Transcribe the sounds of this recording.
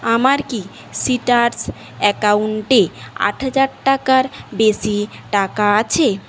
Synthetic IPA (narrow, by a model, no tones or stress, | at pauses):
amaɾki | siʈaɾs | ɛkauɳʈea̰ʈʰɦad͡ʑaɾʈakaɾbeʃiʈakaat͡ɕʰe